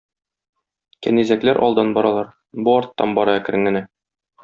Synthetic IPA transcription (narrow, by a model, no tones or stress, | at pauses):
kæ̰nizæklæɾʔɒ̰lˠd̪ɑnbɒɾɑlˠɑɾ | buɒɾt̪ːɑnbɒɾɑækɘ̆ɾɘ̆ŋɡɘ̆næ